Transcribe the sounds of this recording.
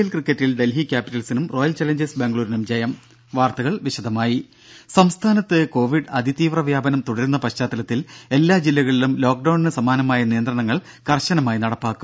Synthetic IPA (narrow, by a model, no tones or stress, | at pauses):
jɐlkrikːɐtːilɖe̞lɦikʲːaːpitːɐlsinumro̞ːjɐlt͡ɕɐlɐɲd͡ʑesbeŋɡɭuːɾinumd͡ʑɐjɐm | ʋaːrt̪ɐɣɐɭʋiɕɐd̪ʱɐmaːji | sɐmst̪ʰaːnɐt̪ːɨko̞ːʋiɖɐd̪ʱit̪iːʋrɐʋjaːbɐnɐmt̪uɽɐɾunːɐpɐɕt͡ɕaːt̪ːɐlɐt̪ːile̞lːaːd͡ʑilːɐɣɐɭilumlo̞ːk̚ɖɐwɳnɨsɐmaːnɐmaːjɐnijɐnd̪rɐɳɐŋːɐɭ | kɐrɕɐnɐmaːjinɐɽɐpːaːkːum